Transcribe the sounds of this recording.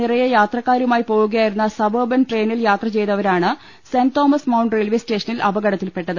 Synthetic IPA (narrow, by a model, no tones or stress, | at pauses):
irɐjɐjaːt̪rɐkːaːɾumaːjipo̞ːɣuɣɐjaːjiɾunːɐsɐbɐːbɐnʈre̞ːniljaːt̪rɐt͡ɕe̞jt̪ːɐʋɐɾaːɳɨ | sent̪o̞ːmɐsmɐwɳɖreɭʋiste̞ːʂɐnilɐbɐɡɐɽɐt̪ːilpe̞ʈːɐðɨ